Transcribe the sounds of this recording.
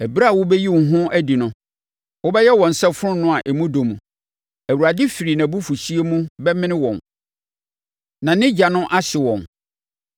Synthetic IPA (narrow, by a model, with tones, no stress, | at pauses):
ɛ˨bɾa˦˨wʊ˦bɛ˦ji˦wɦʊ̃˦æ˦di˨nʊ̃˦ | wɔ˦bɛ˦jɛ˦wɔ̃˨n̩˨sɛ˦fʊ˦ɾʊ̃˦nʊ̃˦a˨ʔɛ˨mũ˦do˨mũ˨ | æ˨wu˨ɾa˨dɪ˦fi˨ɾi˨nã˨bu˦fu˨ɕi˦e˦mũ˦bɛ˦mɪ̃˦nɪ̃˦wɔ̃˨n | nã˨nɪ̃˦d͡ʑa˨nʊ̃˦ʔa˦ɕɪ˨wɔ̃˨n